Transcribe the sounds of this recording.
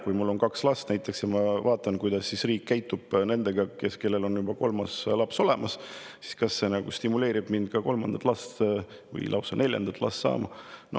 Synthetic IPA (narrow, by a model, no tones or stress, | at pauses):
kujmulːo̞nkɑkslɑst̪næjt̪ːˑe̞ksjɑmɑvɑːt̪ːˑɑnkujd̪̥ɑsːisriːkːæjt̪ːˑub̥ne̞nd̪̥e̞ɡ̥ɑke̞ske̞lːe̞lo̞njubɑko̞lmɑslɑpso̞le̞mʔɑs | si̥skɑsːe̞nɑɡ̥ust̪imule̞ːɾib̥mind̪̥kɑko̞lmɑnd̪ɑ̥t̪ːˑlɑst̪ | vɯ̰jlɑ̰wsɑnʔe̞lʲjɑ̰nd̪ɑt̪ːˑlʔɑ̰st̪sɑ̰ːmɑno̰